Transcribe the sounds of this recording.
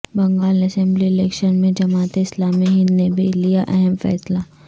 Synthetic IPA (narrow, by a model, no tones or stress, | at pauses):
bɐ̃ŋɡaːlɐsɛ̃mbliɪlɛːkʃənmẽd͡ʒɐmaːt̪eɪslaːmiɦĩnnebʱilijaʔɛɦɛmfɛ̰ːsla